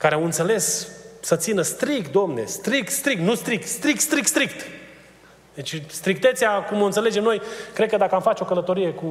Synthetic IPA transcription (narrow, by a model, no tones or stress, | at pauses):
kaɾeawɨnt̪se̞le̞ssət̪sinəst̪ɾikt̪̚d̪omne̞̰st̪ɾik̚t̪st̪ɾikt̪nust̪ɾik̚t̪st̪ɾik̚t̪st̪ɾik̚t̪st̪ɾikt̪ | d̪et͡ʃʲst̪ɾikt̪et̪seakumont̪sele̞d͡ʒe̞mno̞jkɾekəd̪akəamfat͡ʃeo̞kələt̪o̞ɾije̞ku